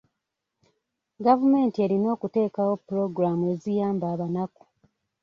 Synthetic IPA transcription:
ɡavume̞ːntie̞ɾino̞ːkute̞ːkawo̞pːuɾo̞ɡɾamue̞zijaːmbaːβanaku̥

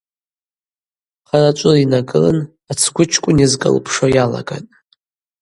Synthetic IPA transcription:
χarat͡ʃʷʼʊlinaɡɨlɨ̰n | at͡sʰɡʷʊt͡ʃʰkʷʼʊnizkʼɨ̰lpʰʂojala̰ɡa̰tʼ

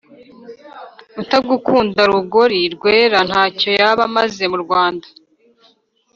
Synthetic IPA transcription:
utaɡukuːndaɾuɡo̞ɾiɾɡwe̞ːɾan̥haːco̞jaβamaze̞muɾɡwaːndḁ

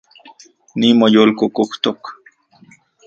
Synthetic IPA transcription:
nimojoːlkokoht̪ok

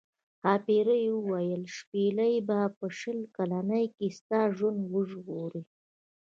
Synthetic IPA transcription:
hɑpeɾəjwəwajəlʃpelajbapəʃəlkalanəjkest̪ɑʒwand̪wəʒɣoɾi

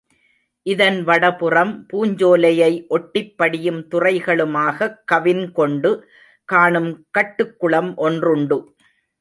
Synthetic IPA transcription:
ʔɪðɐnʋɐɽɐpɯrɐmpuːɲd͡ʒoːlɐjɐɪʔɔʈːɪpːɐɽɪjɯmt̪ʊrɐɪɣɐɭɯmaːɣɐkːɐʋɪnkɔɳɖɯ | kaːɳɯmkɐʈːɯkːɯɭɐmʔɔndrʊɳɖɯ

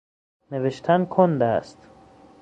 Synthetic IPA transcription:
neveʃt̪ʰænkʰond̪æst̪

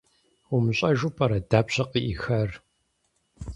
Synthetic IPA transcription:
ʊmɨɕʼɐʒupʰʼɐɾɐdaːpɕɐqiʔixɐr

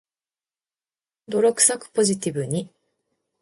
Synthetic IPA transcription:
d̪o̞ɾʲokɯ̟̥sakɯ̟̥po̞ʑit̪ʲibɯ̟ɲ̟i

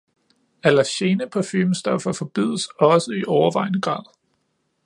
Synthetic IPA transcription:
ælæɕe̝nəpʰɒfiːmsd̥ɒ̽fɐfɒ̽b̥iðˠəsɒ̽səiʔɒʊɐʋɑ̈ɪ̰nəɡ̥ʁɑ̰̈ːðˠ

